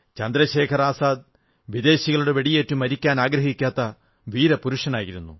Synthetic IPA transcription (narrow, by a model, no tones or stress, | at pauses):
t͡ɕɐnd̪ɾɐɕe̞ːkʰɐɾaːsaːd̪̚ | ʋid̪e̞ːɕiɣɐɭuɽe̞ʋe̞ɽije̞ːtːumɐɾikʲːaːnaːɡɾɐɦikʲːaːt̪ːɐ | ʋiːɾɐpuɾuʂɐnaːjiɾunːṵ